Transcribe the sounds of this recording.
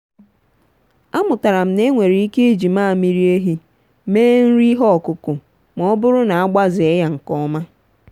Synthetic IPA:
a˦mʊ˨ta˨ɾa˨m̩˨ne˦ŋʷe˨ɾi˨i˦ke˦e˦d͡ʒi˨maː˦˨mi˦ɾi˦e˦ɦi˦ | meː˦n̩˦ɾi˦ɦɔ˦ɔ˨kʊ˨kʊ˨ | m˨ɔ˦˨ɔ˦bʊ˦ɾʊ˦na˨a˦ɡ͡ba˦zɪ˨e˦ja˦ŋ̩˨kɔ˦ma˦

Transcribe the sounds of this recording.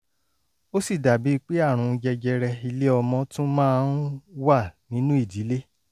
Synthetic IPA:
o˦si˦˨da˨bi˨˦˧k͡pe˦a˦˨ɾ̃ũ˨˧d͡ʒɛ˧d͡ʒɛ˧ɾɛ˧i˧le˦ɔ˧mɔ̃˧tũ˦mãː˦˧n̩˦wa˦˨nĩ˨˦nũ˦i˦˨di˨˦le˦

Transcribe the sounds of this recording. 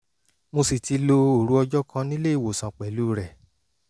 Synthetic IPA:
mo˧si˨ti˧lo˧o˨ɾu˨˦ɔ˧d͡ʒɔ˦kʰã˧nĩ˦le˦i˦˨wo˨sã˨k͡pɛ˨lu˦ɾɛ˨

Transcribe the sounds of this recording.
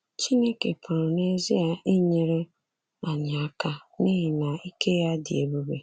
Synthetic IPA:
t͡ʃi˦ne˦ke˨pʰʊ˨ɾʊ˨ne˦zi˦a˦i˦ɲe˨ɾe˦ | a˨ɲa˨a˦ka˦ni˦ɦi˨na˨i˦ke˦ja˦dɪ˨e˨bu˦be˨

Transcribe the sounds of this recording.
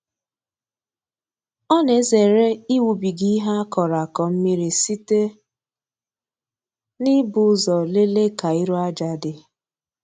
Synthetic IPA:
ɔ˦ne˨˦ze˨ɾe˦i˦wu˨bi˨ɡi˦ɦa˦kɔ˨ɾa˨kɔ˨m̩˦mi˦ɾi˨si˦te˦ | nɪ˦bʊ˨˦zɔ˨le˦le˦ka˨i˦ɾɔ˦a˦d͡ʒa˨dɪ˦

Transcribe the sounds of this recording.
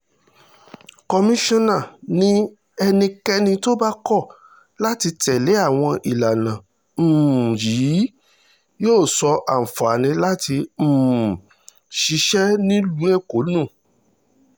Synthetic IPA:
kɔ˧mĩ˦ʃɔ̃˦nã˦˨nĩ˦ | ɛ˧nĩ˧kɛ˦nĩ˧to˦ba˦kɔ˦˨ | la˦ti˧tɛ˨le˨˦a˦˨w̃ɔ̃˧ʔi˨la˨nã˨ | m̩ː˨ji˨˦ | joː˦˨sɔ˧ʔa˨fa˨a˨nĩ˧la˦ti˧˨ | ʃi˧˦ʃɛ˦nĩ˦lu˨˦e˦˨ko˨˦nũ˦˨

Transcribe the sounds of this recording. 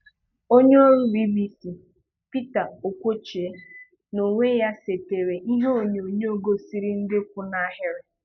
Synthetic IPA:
o˦ɲe˦o˦ɾu˦ɾi˦bi˦si˨ | pi˦ta˨o˨kʷo˦t͡ʃe˦ | no˨ŋʷe˦ja˦se˨te˨ɾe˨ʔi˦ɦe˦o˦˨ɲo˨ɲe˦o˦ɡo˦si˦ɾi˦n̩˦dɪ˦kʷu˦na˦ɦɪ˦ɾɪ˦

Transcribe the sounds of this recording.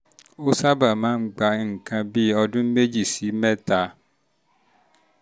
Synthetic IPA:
o˦sa˦ba˨mãː˦n̩˦ɡ͡ba˧˦ŋ̩˨kã˧bi˦ɔ˧dũ˦me˦d͡ʒi˦˨si˨˦mɛ̃˦ta˧

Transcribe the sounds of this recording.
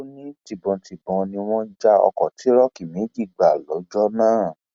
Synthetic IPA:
o˦nĩ˦ti˨bɔ̃˧tʰi˨bɔ̃˨˧nĩ˧w̃ɔ̃˦d͡ʒa˦ɔ̰˧kɔ˨ti˨˦ɾɔ˦ki˨mĩ˨˦ɡi˦˨ɡ͡ba˨lɔ˨˦d͡ʒɔ˦nãː˦˨

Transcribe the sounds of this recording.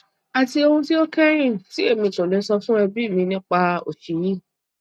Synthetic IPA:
a˨ti˧o˧hũ˧ti˦o˦kɛ˦ɾ̃ĩ˦˨ti˨˦e˦˨mĩ˧˨tũ˨nĩ˧˦sɔ˧fũ˦ɛ˧bi˦˨mĩ˧nĩ˦k͡pa˧o̰˨ʃi˨jĩ˦

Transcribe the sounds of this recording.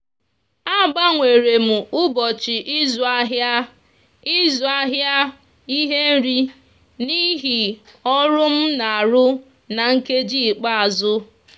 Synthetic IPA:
a˦ɡ͡ba˦ŋʷe˨ɾe˨m̩˨ʊ˦bɔ˨t͡ʃi˨ʔi˦zʊ˨a˦ɦja˦ | i˦zʊ˨a˦ɦja˦ | i˦ɦe˦n̩˦ɾi˦ | ni˦ɦi˨ɔ˦ɾʊ˦m̩˦na˨a˨ɾʊ˦ | na˨ŋ̩˦ke˦d͡ʒi˦˨k͡pa˦a˨zʊ˦

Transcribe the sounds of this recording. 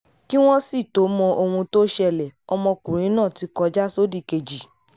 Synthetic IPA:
ki˦w̃ɔ̃˦si˦˨to˨˦mɔ̃˧ʔo˧hũ˧to˦ʃɛ˧lɛ˨ɔ˧mɔ̃˧kũ˨ɾ̃ĩ˨˦nã˦˨ti˨˦kɔ˧˦d͡ʒa˦so˦di˦˨ke˨d͡ʒi˨

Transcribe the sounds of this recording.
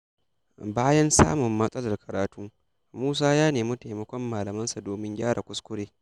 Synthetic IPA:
baː˦jɐ˦nsa̰ː˦mʊ˨mːɐ˦sʼɐ˦lɐ˨rkʰɐ˨ɾaː˨˦tuː˦ | muː˦s̬aː˦jaː˦neː˨mʊ˦ta˨mɐ˦kʷɔ˦mːaː˨lɐ˨mɐ˦nsa˨doː˨mɪ˦ŋɡʲaː˦ɽa˨kʷʊ˦skʷʊ˦ɽeː˦

